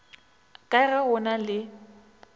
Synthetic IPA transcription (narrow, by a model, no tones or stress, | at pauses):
kʼaɣɛhʊnalɪ